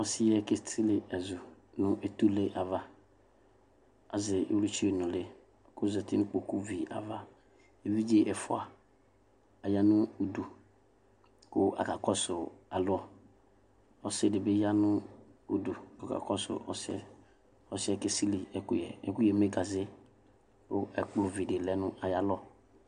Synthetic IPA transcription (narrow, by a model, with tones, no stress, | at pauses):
ɔ˦sɪ˦jɛ˦ke˦si˦lɪ˨ɛ˨zʊ˨ | nʊ̃˦ʔe˨tu˦le˦ʔa˨va˦ | a˨zɪ˨ʔḛ˦wlu˦t͡ʃi˦e˨nʊ̃˨lɪ˦˨ | kʊ˦zɛ˨tɪ˦nʊ̃˦k͡po˨ku˦vi˨a̰˨va˦ | e˨vi˦d͡ʒe˦ʔɛ˨fʊ̰˦a˨ | a˨ja˦nʊ̃˦o˨du˨ | kʊ˦a̰˨ka˨kɔ˦sʊ˨a˨lʊ˦ɔ˨ | ɔ˦sɪ˦˨dɪ˨bɪ˦ja˦nʊ˦o˨du˨kɔ˨ka̰˨kɔ˦sʊ̰˨ʔɔ̰˦sɛ̰˦ | ɔ˦sɛ˦ke˦si˦li˨ɛ˦kʊ˦jɛ̰˨ɛ̰˦kʊ˦jɛ˨me˦ɡa˨zɪ˦ | ʊ˦ɛ̰˨k͡plʊ˨vi˨de˨lɛ˦nʊ̃˦ʔa˨ja˨lɔ˦